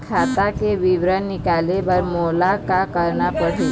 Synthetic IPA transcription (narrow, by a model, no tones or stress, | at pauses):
kʰat̪akeʋiʋɾənːikalebəɾmolakakəɾnapəɽi